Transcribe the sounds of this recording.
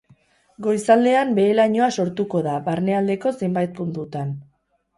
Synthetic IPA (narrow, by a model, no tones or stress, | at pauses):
ɡo̞jsald̪e̞ambe̞ːlaɲo̞aso̞ɾt̪uko̞ðaβaɾne̞ald̪e̞ko̞se̞mbajt̪̚punt̪ut̪an